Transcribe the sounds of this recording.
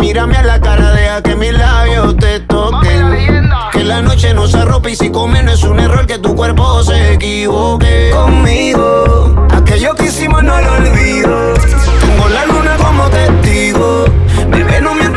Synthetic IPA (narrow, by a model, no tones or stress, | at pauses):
miɾamealakaɾaðeake̞mizlaβjo̞t̪e̞t̪o̞kekelano̞t͡ʃe̞no̞saro̞pisiko̞menoesune̞ro̞ɾke̞t̪ukwe̞ɾpo̞se̞ːkiβokekoŋmiɣoa̰ke̞ʝokisimonwololβiðot̪eŋɡolalunako̞mot̪e̞ht̪iɣo | pekenome